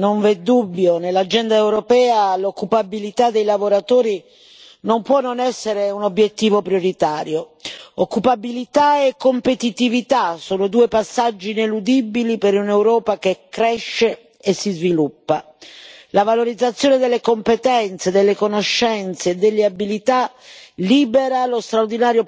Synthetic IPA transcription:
noɱvɛd̪ːubːjonelːad͡ʒɛnd̪aewɾopɛːalokːupabilit̪ad̪ːejlavoɾat̪oːɾi | nompwɔnːonɛsːeɾeunobjet̪ːiːvopɾjoɾit̪aːɾjookːupabilit̪aekːompet̪it̪ivit̪asoːnod̪uːepasːad͡ʒːiːnelud̪ibilipeɾunewɾɔːpak̟ekːɾɛʃːe | esːizvilupːa | lavaloɾid̪zːat̪sːjoːned̪elːekompet̪ɛnt̪sed̪elːekonoʃːɛnt̪seːd̪elːeabilit̪a | liːbeɾalost̪ɾaurd̪inaːɾjo

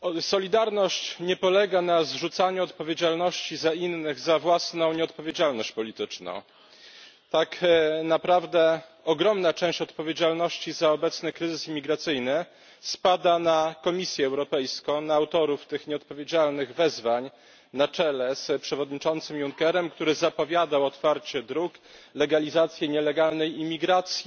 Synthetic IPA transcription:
sɔlʲid̪aɾnɔɕt͡ɕɲɛpɔlɛɡanazʐut̪saɲuɔt̪pɔvʲjed͡ʑalnɔɕt͡ɕizainːɘɣzavwasnɔ̃w̃ɲɛɔt̪̚pɔvʲjed͡ʑalnɔɕt͡ɕpɔlʲit̪ɘt͡ʂnɔ̰̃w̃ | t̪aknapɾavd̪ɛ | ɔɡɾɔmnat͡ʂɛ̃w̃ɕt͡ɕɔt̪pɔvʲjed͡ʑalnɔɕt͡ɕizaɔbɛt̪snɛkɾɘzɘsimʲiɡɾat̪sɘjnɘ | spad̪anakɔmʲisʲjɛːwɾɔpɛjskɔ̃w̃naːwt̪ɔɾuft̪ɘxɲɛɔt̪̚pɔvʲjed͡ʑalnɘɣvɛzvaɲ | nat͡ʂɛlɛspʂɛvɔd̪ɲit͡ʂɔnt̪sɘmjuŋkɛɾɛmkt̪uɾɘzapɔvʲjad̪awɔt̪faɾt͡ɕɛd̪ɾuklɛɡalʲizat̪sʲjɛɲɛlɛɡalnɛjimʲiɡɾat̪sʲji

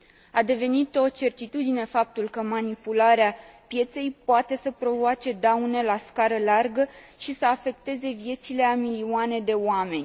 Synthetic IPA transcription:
ad̪e̞ve̞nit̪o̞t͡ʃe̞rt̪it̪ud̪ine̞fap̚t̪ulkəmanipulaɾeapje̞t̪se̞jpoat̪e̞səpɾo̞voat͡ʃe̞d̪awne̞laskaɾəlarɡəʃisəafe̞k̚t̪e̞ze̞vje̞t̪sile̞amilioane̞d̪e̞oame̞nʲ

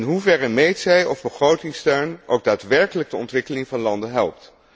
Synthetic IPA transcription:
nɦuvɛrəmejtsɛjɔvbəχrowtɪŋstøɥno̰wk̚daːtʋɛɹkələɡ̚dəɔ̰ntʋɪkəlɪŋvɑnlɑndənɦɛ̰lˠp̚t

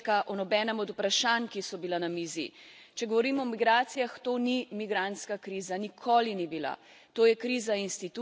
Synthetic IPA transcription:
kaʔɔnɔbɛːnɛmɔd̪upɾaʃankisɔbilanamiːzḭt͡ʃɛɡɔʋɔɾiːmɔmiɡɾaːt̪sijaxt̪oːnimiɡɾant̪skakɾiːzanikʰoːlinibila̰ | t̪oːjɛkɾizainst̪it̪u

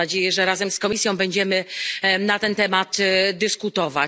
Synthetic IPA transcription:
ad͡ʑejɛʐɛɾazɛmskɔmʲisʲjɔ̃w̃bɛɲd͡ʑɛmɘnat̪ɛnt̪ɛmat̪d̪ɘskut̪ɔva̰

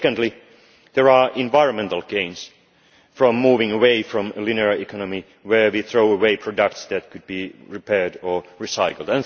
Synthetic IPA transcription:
kə̃ndˡli | ðə˞ɑʔɪ̃ɱvaɪɹə̃nmɛ̃ntəl̩ˠɡ̥ẽɪ̃ns | fɹɔ̃mːuːvɪ̃ŋəweɪfɹɔ̃məlɪnəɹikʰɑnəmi | wə˞wiθɹoʊəweɪpʰɹ̥ɔdək̚tsðæt̚kʰɨd̚biɹipʰɛɹdəɹisaɪkl̩ˠdə̃n

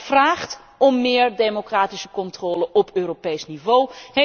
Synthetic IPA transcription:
fraːχt | ɔmːɪːɹdemokraːtisə̥kɔntroːləʔɔpøːɾopejsnivowhe

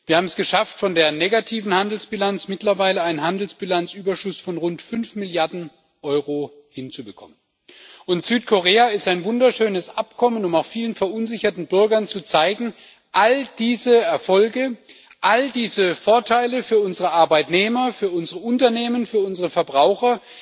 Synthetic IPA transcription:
viːɐhaːbm̩ɛsɡ̥əʃaftfɔndeːɐneːɡatʰiːvn̩handl̩sb̥ilant͡smɪtlɐvaɪləaɪnənhandl̩sb̥ilant͡sʔyːbɐʃʊsfɔnʁʊntfʏnfmɪljaɐdn̩ | ʔɔʏʁo | hɪnt͡subəkʰɔ̰mən | ʔʊntz̥yːt̚kʰoʁeːaɪstaɪnvʊndɐʃøːnəsʔapkʰɔmənʊmaʊxfiːlənfɛɐʔʊnzɪçɐtn̩bʏɐɡɐnt͡sut͡saɪɡŋ̩ | ʔald̥iːzəɛɐfɔlɡə | ʔaldiːzəfoːɐtʰaɪləfyːɐʊnzəʁəʔaɐbaɪtneːmɐfyːɐʊnzəʁəʊntɐneːmənfyːɐʊnzəʁəfɛɐbʁaʊxɐ

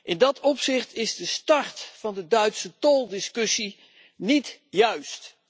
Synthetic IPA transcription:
ʔɪndɑtɔpsɪχtɪzdəstɑrtfɑndədœɥtsətɔlˠdɪskɵsi | nitjœɥst

